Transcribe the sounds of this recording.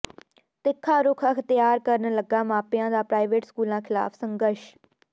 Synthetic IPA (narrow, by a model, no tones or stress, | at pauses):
t̪ɪkʰːaːɾʊkʰəkʰt̪ɪjaːɾkəɾənləɡːaːmaːpɪjãːd̪aːpɾaːɪʋeːʈskuːlãːkʰɪla̰ːpʰsəŋɡəɾʃ